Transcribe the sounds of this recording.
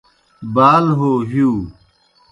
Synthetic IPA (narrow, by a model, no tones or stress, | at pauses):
baːlɦoːɦiuː